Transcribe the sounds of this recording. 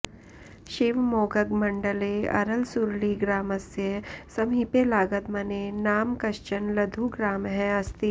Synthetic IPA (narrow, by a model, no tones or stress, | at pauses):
ʃeːʋmoːɡəɡmɐ̃ɳɖəleɐ̰ɾəlsuɾliɡɾaːməsjəsɐmipelaːɡət̪mɐnenaːmkɐʃt͡ʃənlɐd̪ʱuɡɾaːmɦɛɐst̪i